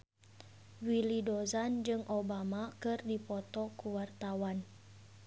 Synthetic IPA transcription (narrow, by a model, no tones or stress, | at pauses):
wilidozand͡ʒɨŋʔobamakɨrdipɔt̪ɔkuwart̪awan